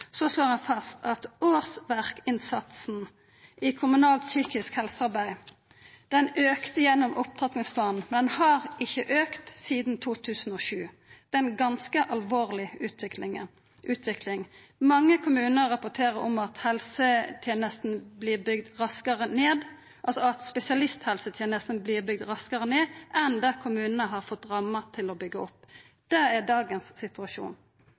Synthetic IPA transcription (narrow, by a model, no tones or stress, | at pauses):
sɔsloːʁɑnfɑst̪ʰɑt̪oːʁsʋæʁkɪnsɑt̪sn̩ | ʔɪkʰʊmʉnɑːlt̪syːkɪskhɛlsəɑɾbæɪ | d̪̥ɛnøːkt̪əjɛnːɔmʔʊp̚t̪ʰɑt̪nɪŋspʰlɑːnn̩mɛnd̪ɛnhɑʁɪçːəʔøːkt̪siːd̪n̩t̪ʰuːt̪ʰʉːsn̩oːʃʉː | d̪̥ɛnɡɑnskəʔɑlʋoːʁlɪʉːt̪ʋɪklɪŋə | ʔʉːt̪ʰʋɪkʰlɪŋ | mɑŋːəkʰʊmʉːnəʁɾɑpʊt̪ʰeːɾəɾɔ̰mɑt̪hɛlsət̪ʰjeːnəst̪n̩bliːʁbʏɡd̪ɾɑskəʁəneːd̪ | ʔɑlsɔɑt̪spɛsɪɑlɪst̪hɛlsət̪ʰjɛːnəst̪n̩bliːʁbʏɡ̚d̪ɾɑskəʁəneːʔɛnd̪ækʰʊmʉːnənəɦɑɾfɔt̪ːɾɑmːət̪ʰɪlɔbʏɡːəɔpː | d̪̥ɛæɖɑːɡənsːɪt̪ʉɑʃṵːn